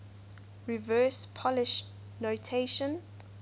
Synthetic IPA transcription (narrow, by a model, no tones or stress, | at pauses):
ɹivɜspʰɔlɪʃ | notʰeʃə̃n